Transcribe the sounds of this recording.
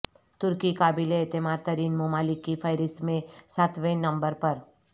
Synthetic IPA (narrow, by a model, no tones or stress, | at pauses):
t̪ʊɾkikaːbileːt̪ɪmaːd̪̚t̪ɐɾiːnmomaːlɪkːifʰɐjɾɪst̪mẽsat̪ʰʋẽnɐ̃mbəɾpɐɾ